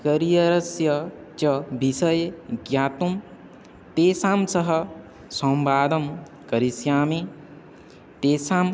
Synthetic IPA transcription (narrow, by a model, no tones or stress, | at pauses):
kɐɾijɐɾɐsjɐt͡ʃɐbisɐjeɡjaːt̪um | t̪eːsaːmsɐɦɐ | sɐmbaːd̪ɐm | kɐɾisjaːmi | t̪eːsaːm